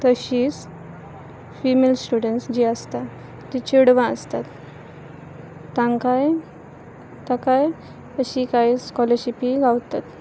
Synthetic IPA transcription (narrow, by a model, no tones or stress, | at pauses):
t̪əɕiːs | fimelsʈuɽəɳʈsd͡ʑiəst̪a | t̪it͡ɕiɽʋãə̰st̪at̪ | ãŋkaj | t̪akaj | əɕikaiskɔləɾɕipiɡawt̪at̪